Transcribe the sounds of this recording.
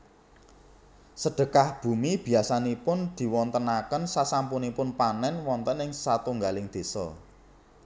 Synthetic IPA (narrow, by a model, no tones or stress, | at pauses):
səɖ̥ə̤kahb̥ṳmib̥i̤asanipʊnd̪̥i̤wɔnt̪ənakənsasampunipʊnpanɛnwɔnt̪ənɪŋsat̪uŋɡalɪŋd̪̥e̤sɔ̰